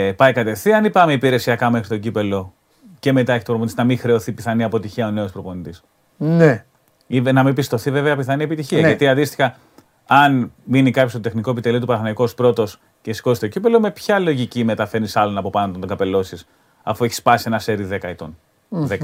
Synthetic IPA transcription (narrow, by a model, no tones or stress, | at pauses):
pɐjkɐt̪e̞fθiɐnipɐmeipiɾe̞siɐkɐme̞xɾit̪o̞ɟipe̞lo̞ | ce̞me̞t̪ɐeçt̪opɾopont̪isnɐmixɾe̞o̞θipiθɐniɐpo̞t̪içiɐone̞ospɾopo̞nit̪is | ne | ivenɐmibist̪o̞θive̞veɐpiθɐnie̞pit̪içiɐʝɐt̪iɐnd̪ist̪i̥xɐ | ɐnminikɐpçost̪ot̪e̞xniko̞epit̪eliot̪upɐɾɐθnɐiko̞spɾo̞t̪o̞s | ce̞si̥ko̞ist̪oɟipe̞lo̞me̞pçɐlo̞ʝicime̞t̪ɐfe̞ɾnisɐlo̞nɐpo̞pɐnont̪ot̪oŋɡɐpe̞lo̞sis | ɐfue̞çi̥spɐsie̞nɐseɾiðe̞kɐet̪o̞n | ðek